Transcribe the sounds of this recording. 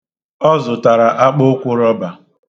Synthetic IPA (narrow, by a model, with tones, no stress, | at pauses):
ɔ˦zʊ˨ta˨ɾa˨ʔa˦k͡po˦kʷʊ˦ɾɔ˦ba˨